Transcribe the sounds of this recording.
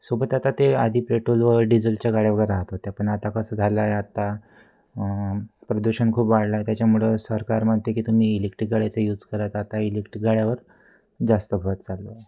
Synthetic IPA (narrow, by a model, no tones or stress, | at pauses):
sobət̪at̪at̪ead̪ʱiːpɾeʈolʋəɾɖid͡zəlt͡ɕjaɡaɽjaʋəɡəjɾaɦt̪ɦot̪eapəɳat̪akəsəd͡z̪ʱalajat̪a | pɾəd̪uɕənkʰuːpʋaɽlajt̪jat͡ɕjamuɭesəɾkaɾməɳt̪ekiːt̪um̤iːilikʈɡaɭjat͡səjuːd͡zkəɾat̪at̪ailikʈɡaɭjaʋəɾ | d͡zast̪əbʱət̪̚t͡sallo